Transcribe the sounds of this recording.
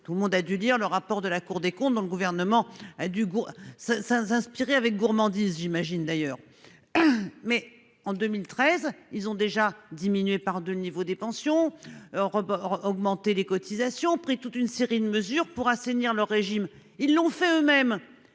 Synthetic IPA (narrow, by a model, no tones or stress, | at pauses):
t̪uləmɔ̃d̪ad̪yliʁləʁapɔʁd̪əlakuʁd̪ekɔ̃t̪̚d̪ɔ̃ləɡuvɛʁnəmɑ̃ad̪yɡusɛsɛ̃sɛ̃spiʁeavɛk̚ɡuʁmɑ̃d̪izʒimaʒind̪ajœːʁ | mɛ | ɑ̃d̪ømilt̪χɛzilzɔ̃d̪eʒad̪iminɥepaʁd̪ølənivod̪epɑ̃sjɔ̃ʁɔɡmɑ̃t̪elekɔt̪ʰizasjɔ̃pχit̪ut̪ynseʁid̪əməzyʁpuʁaseniʁlœʁːeʒim | ilːɔ̃fɛømɛm